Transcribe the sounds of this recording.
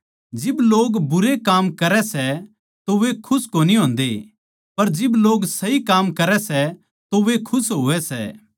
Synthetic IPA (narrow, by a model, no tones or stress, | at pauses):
d͡ʒɪbloːɡbʊɾekaːmkɐɾɛsɛ | t̪oʋekʰʊskoniɦõːnd̪e | pɐɾd͡ʒɪbloːɡsɐikaːmkɐɾɛsɛ | t̪oʋekʰʊsɦoʋɛsɛ̰ː